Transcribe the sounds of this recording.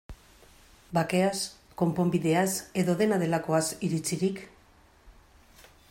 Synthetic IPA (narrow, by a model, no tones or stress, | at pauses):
bake̞as | ko̞mpo̞mbiðe̞ase̞ðo̞ðe̞nað̞e̞lako̞asiɾit͡siɾik